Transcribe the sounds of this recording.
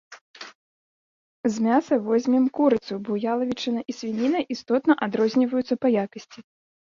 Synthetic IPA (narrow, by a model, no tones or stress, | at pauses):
zʲmʲasɐvɔzʲmʲɛmkuɾɨt̪subɔjalˠɐvʲit͡ʂɨnɐʔisʲvʲinʲinɐʔist̪ɔt̪nɐʔad̪ɾɔzʲnʲivɐjut̪sɐpɐjakɐsʲt͡sʲi